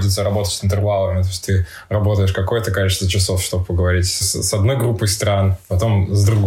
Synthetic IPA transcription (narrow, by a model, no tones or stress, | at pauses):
t͡ɕʲɪt̪səɾɐbo̞t̪ətʲsɪnt̪ɨrvalˠəmʲɪt̪o̞jʲsʲtʲt̪ɨ | rɐbo̞t̪əjɪʂkɐko̞jət̪əkɐlʲit͡ɕɪst̪vət͡ɕɪso̞fʂt̪o̞bəpəɡəvɐɾʲitʲssɐd̪no̞jɡɾupːəjst̪ɾanpɐt̪o̞mzd̪ɾuɡ